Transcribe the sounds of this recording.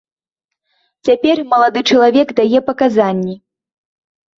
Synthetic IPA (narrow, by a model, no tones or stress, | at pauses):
t͡sʲapʲɛrmɐlˠad̪ɨt͡ʂɐlˠavʲɛɡd̪ajɛpɐkazanʲːi